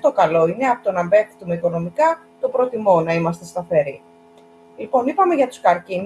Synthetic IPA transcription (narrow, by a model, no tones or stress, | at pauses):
t̪o̞kɐlo̞ineɐpot̪onɐmbe̞̥t̪umeiko̞no̞mikɐ | t̪o̞pɾot̪imo̞nɐimɐst̪e̞st̪ɐfe̞ɾi | lipo̞nipɐme̞ʝɐt̪u̥skɐɾcin